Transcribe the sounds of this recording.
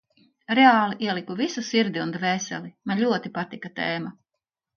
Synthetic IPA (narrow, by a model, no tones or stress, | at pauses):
ɾɛaːlˠiʔiɛlˠikuvisusiɾd̪iund̪vɛːsɛ̰limanlʲuɔt̪ipat̪ikat̪eːma